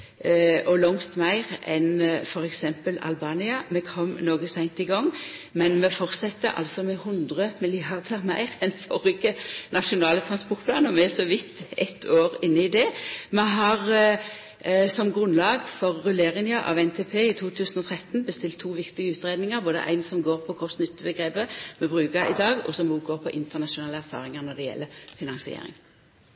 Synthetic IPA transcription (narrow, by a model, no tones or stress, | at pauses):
ʔɔlɔŋt̪mæɪʁɛ̰nfɔʁɛksɛmpəlɑ̰lbɑːnɪɑmɛkʰɔmnoːɡəsæɪnt̪ɪɡɔŋmɛnmɛfɔʁsɛt̪ːə̰ʔɑ̰lsɔmɛhʊnd̪ʁəmɪlɪɑʁd̪əʁmæɪʁɛnfɔʁɪkːənɑʃʊnɑːlət̪ʰɾɑnspɔʁt̪pʰlɑːnəmɛɛsɔʋɪt̪ːɛt̪ʰːoːʁɪnːəɪd̪ɛmɛɦɑʁ | sɔmɡʁʉnlɑːɡfɔʁːʉleːʁɪŋjəʔɑ̰ʋɛnt̪ʰepʰeːɪt̪ʰuːt̪ʰʉːsən̩ɔt̪ʰɾɛt̪n̩bəst̪ɪlt̪ʰːuːʋɪkt̪ɪɡəʉːt̪ʁeːd̪nɪŋəɾboːd̪ə̰ʔæ̰ɪnsɔmɡoːʁpʰɔkʰɔsnʏt̪ːəbəɡʁeːbəmɛbʁʉːkɑɾɪ̰d̪ɑːɡɔ̰sɔmuːɡoːʁpʰɔʔɪnt̪əʁnɑʃʊnɑːləæɾfɑ̰ːʁɪŋəɾnɔd̪ɛjɛ̰lːəfɪnɑŋsɪḛɾɪ̰ŋ